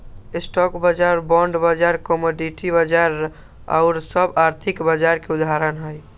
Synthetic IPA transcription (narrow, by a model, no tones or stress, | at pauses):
ɪsʈɔkbad͡ʒaɾbɔ̃ɳɖbad͡ʒaɾkɔmoɖiʈibad͡ʒaɾ | a̰ʊɾsəbaɾt̪ʰɪkbad͡ʒaɾkeʊd̪aɾənɦəj